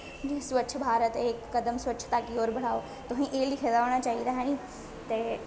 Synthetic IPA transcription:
d͡ʑẽɦsʋət͡ʃʰbʱaːɾət̪ɦekːɐd̪əmsʋətːt͡ʃʰt̪akioːɾbʱɐɽ̤aːo | t̪ʊɦĩʔeːlikʰed̪aːʋəɽ̃at͡ɕaːiɾaːɦañĩ | t̪ɐ

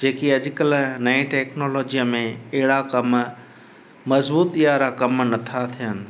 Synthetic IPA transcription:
d͡ʑeːkiɐʄkəlnɐẽʈeːknoːlɔːd͡ʒijəmẽɛɦɪɽakɐm | mɐzbuːt̪ijaɾakɐmnɐt̪ʰat̪ʰijənɪ̆

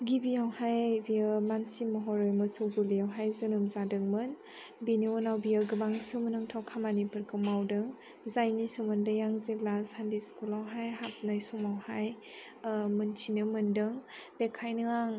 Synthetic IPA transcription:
ɡibijawhajbijəmansimɔɦɔɾɔjmɯsuɡulijawɦajzɯnɯmzadɯŋmɯn | biniɔnawbiaɡɯbaŋsɯmənɯŋtʰawkʰamanipʰɯɾkʰɯmawdɯŋ | zajnisɔmɯndɯjaŋzeblashandiskulawɦajɦap̚najsɔmawhaj | mɯntʰinɯmɯndɯŋb̥ekʰajnɯaŋ

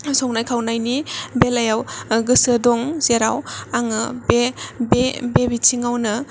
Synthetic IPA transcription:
sɔŋnajkʰawnajnibelajawɡɯsɯdɔŋz̥eɾawaŋɯbebebebit͡ʃʰiŋawnɐ

